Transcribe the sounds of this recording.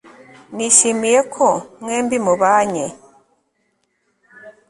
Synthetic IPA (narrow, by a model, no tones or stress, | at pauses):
niʃimijekʰomweːmbimuβaːɲe